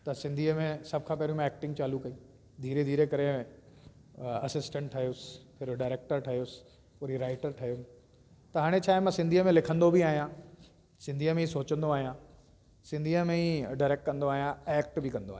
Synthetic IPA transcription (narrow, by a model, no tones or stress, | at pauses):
t̪ɐsɪ̃nd̪ʱiəmẽsɐb̚ʱkʰãːpɛːɾjũmẽɛːk̚ʈɪ̃ŋɡt͡ɕaːlukɐi | d̪ʱiːɾed̪ʱiːɾekɐɾe | ɐsɪsʈə̃ɳʈʈʰːɐɦijosɪ̥pʰɪɾɖaːɪɾeːk̚ʈəɾʈʰɐɦijosɪ̥ | poːɾɦiɾaːɪʈəɾʈʰɐɦijo | t̪ɐɦaːɽ̃et͡ɕʰaːɦemãsɪ̃nd̪ʱiəmẽlɪkʰə̃nd̪obʱiaːɦijã | sɪ̃nd̪ʱiəmẽisoːt͡ɕə̃nd̪oaːɦijã | sɪ̃nd̪ʱiəmẽiɖaːɾeːk̚ʈ̚kɐ̃nd̪oaːɦijãeːk̚ʈbʱɪkɐ̃nd̪o̰aːɦj̃